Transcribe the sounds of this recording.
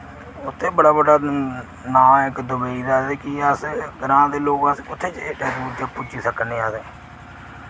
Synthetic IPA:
ʊt̪ʰːeːbəɽaːbəɖaː | nãːɪkd̪ʊbəiːd̪aːseːkɪəsɡəɾãːd̪eːloːɡãskʊt̪ʰːeːt͡ʃːʈeːd̪uːɾd͡ʒaːpʊt͡ʃd͡ʒiːsəkəneːaːseː

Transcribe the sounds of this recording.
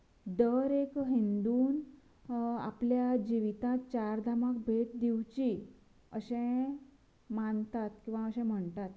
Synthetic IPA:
d̪əɾekɦind̪uːn | a̰pljad͡ʑiʋit̪ãt͡ɕaɾd̪ʱamakbʱeʈ̚d̪iwt͡ɕi | əɕẽ | mant̪at̪kĩw̃ʋaəɕɛ̃m̤əɳt̪at̪

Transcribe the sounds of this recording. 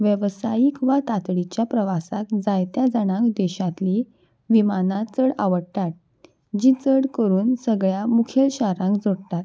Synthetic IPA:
ʋjəʋsajikʋat̪at̪ɽit͡ɕjapɾəʋasakd͡zajt̪jad͡zəɽ̃ãkd̪ɛɕãt̪li | ʋimanat͡səɽa̰ʋəɽt̪at̪̚ | d͡ʑit͡səɽkəɾuːnsəɡɭjamukʰelɕaɾãŋkd͡zoɽt̪at̪

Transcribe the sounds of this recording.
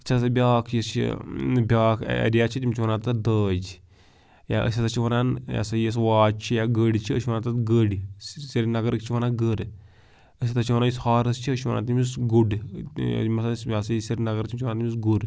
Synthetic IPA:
ɐt͡ʃʰasɐbʲaːkʰjest͡ʃʰḭbʲaːkʰḛɾijat͡ʃʰit̪ʲimt͡ʃʰiʋɐnaːt̪d̪əːd͡ʒ | ja̰ʔə̰sʲat̪ɐt͡ʃʰiʋɐnanja̰sɐjes̬ʋaːt͡ʃʰijaɡəɽʲit͡ʃʰiəʃiʋɐnat̪at̪ɡəɽisʲiɾʲnɐɡəɾkt͡ʃʰiʋɐnaɡəɾ | əsʲat̪ɐt͡ʃʰiʋɐnajishaːɾɐst͡ʃʰiəʃiʋɐnʔa̰ːt̪imisɡuɖ̰ | mɐsasasɐjsʲɐɾʲnɐɡəɾt͡ʃʰimʲt͡ʃʰiʋɐnat̪mʲis̬ɡuɖ

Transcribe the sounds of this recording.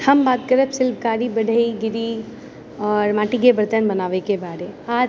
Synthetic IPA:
həmbaːt̪kəɾəpsɪlb̚kaːɾibəɽ̤ʱəiɡɪɾi | ɔːɾmaːʈiɡebəɾt̪ənbənaːʋekebaːɾeaː

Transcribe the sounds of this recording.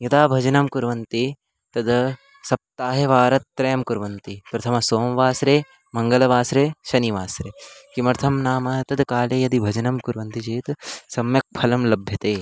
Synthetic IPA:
jɐd̪aːbʱɐd͡ʒɐnɐmkuɾʋɐnt̪i | t̪ɐd̪ | sɐp̚t̪aːɦɐʋaːɾɐt̪ːɾɐjɐmkuɾʋɐnt̪ipɾɐt̪ʰɐmɐsoːmʋaːsɾeː | mɐŋɡɐlɐʋaːsɾeːʃɐniʋaːsɾeːkimɐɾt̪ʰɐmnaːmɐt̪ɐd̪kaːleːjɐd̪ibʱɐd͡ʒɐnɐmkuɾʋɐnt̪id͡ʒeːt̪sɐmjɐk̚pʰɐlɐmlɐbʱjɐt̪eː

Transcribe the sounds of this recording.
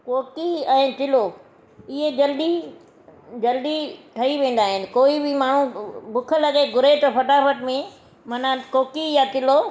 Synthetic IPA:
koːkiɛ̃ːt̪ɪloː | ɪɦed͡ʑɐlɗ̪i | d͡ʑɐlɗ̪iʈʰɐiʋẽːn̆d̪aːɦɪnɪ̆koːibɪmaːɳ̤ũbʊkʰə̆lɐɠeɡʱʊɾet̪ɐpɐʈaːfət̪mẽ | mɐnakoːkijat̪ɪloː

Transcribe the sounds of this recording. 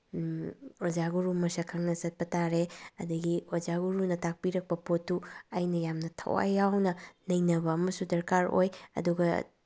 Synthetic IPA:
ozaɡuɾumɐsɐkʰɐŋnɐzɐt̚pɐtaɾeɐ̰dɐɡiozaɡuɾunɐtak̚piɾɐk̚pɐpotːuɐjnɐjamnɐtʰɐ̰wa̰jawnɐlɐjnɐbɐɐmɐsudɐɾkaɾo̰jɐ̰duɡɐ

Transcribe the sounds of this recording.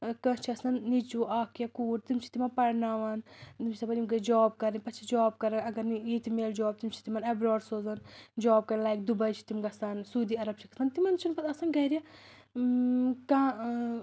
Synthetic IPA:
kɐt͡ʃʰiɐsɐnːit͡ʃuʔaːkjakuːɾt̪imt͡ʃʰi̥t̪imɐnpɐɽnaːʋɐnt̪imʰi̥sɐbɐnimɡɐd͡ʒɔːb̚kɐɾipɐt͡ʃʰid͡ʒɔːb̚kɐɾɐnɐɡɐɾnijit̪ʰimeːld͡ʒɔːb̚t̪imt͡ʃʰi̥t̪imɐnɐbɾoːɖsoːzɐnd͡ʒɔːb̚kɐɾlaːjk̚d̪ubɐjt͡ʃʰi̥t̪imɡɐsɐnsuːd̪iːɐɾɐb̚t͡ʃʰi̥kɐ̥sant̪imɐnt͡ʃʰunpɐt̪ɐsɐnɡɐɾija | kãː

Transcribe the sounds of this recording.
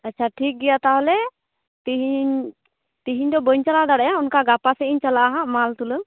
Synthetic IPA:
atːt͡ʃʰaʈʰik̚ɡɛjat̪aɦɔlɛ | t̪iɦiɲ | t̪iɦiɲd̪ɔbəɲt͡ʃalad̪aɽɛjaunkaɡapasɛiɲt͡ʃalaʔaɦãmalt̪ulə

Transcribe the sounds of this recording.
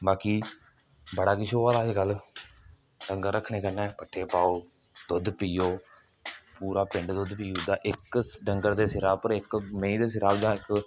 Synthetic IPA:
baːkiː | bəɽaːkɪʃoːaːd̪aːd͡ʒɡəlː | ɖəŋɡəɾːəkʰɳeːkənɛːpəʈʰːeːpaːoː | d̪ʊd̪piːoː | puːɾaːpɪɳɖd̪ʊd̪piːoːd̪aːʔɪkɖəŋɡəɾd̪eːsɪɾaːpəɾɪkmẽĩːd̪eːs̬ɪɾaːbd̪ãːɪk

